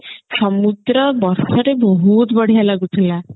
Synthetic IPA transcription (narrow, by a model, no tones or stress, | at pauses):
sɔmud̪ɾɔbɔɾsɔɾebɔɦut̪bəɽ̤ijalaɡut̪ʰila